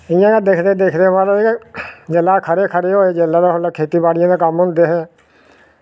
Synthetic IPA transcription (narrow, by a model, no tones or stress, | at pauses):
ɪjãːkad̪eːkʰd̪eːd̪eːkʰd̪eːmãːloːed͡ʒelːaːkʰəɾeːkʰəɾeːɦoːeːd͡ʒeːlːaːd̪aːɦolaːkʰeːt̪iːbaːɽɪjãːd̪aːkəmɦʊ̃nd̪eːɦɛː